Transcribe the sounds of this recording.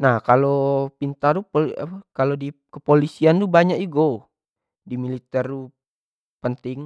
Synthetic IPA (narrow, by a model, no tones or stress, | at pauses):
nahkalopint̪adupolkalodikəpolisiant̪ubaɲaʔuɡo | dimilit̪ɛrdu | pənt̪ɪŋ